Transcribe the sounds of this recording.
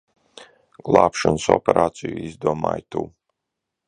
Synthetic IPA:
ɡ̥lˠaːpʃɔnsɔ̰pʲɛɾʔaːt̪sijuizd̪uɔma̰ːjt̪uː

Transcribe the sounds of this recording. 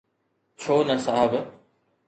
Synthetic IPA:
t͡ɕʰoːnɐsaɦəb

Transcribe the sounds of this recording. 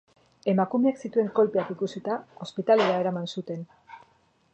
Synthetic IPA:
e̞makume̞aksit̪ue̞ŋko̞lpeakikusit̪ao̞spit̪aleɾae̞ɾamansut̪e̞n

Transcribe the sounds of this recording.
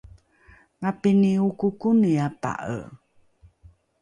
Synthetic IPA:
ŋapiniukukuniapa̰ʔə̰

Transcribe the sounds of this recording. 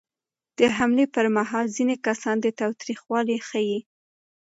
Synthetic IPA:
d̪̥əɦamlepəɾmaɦɑlzinekasɑnd̪ət̪ɑwt̪ɾixwɑlixəji

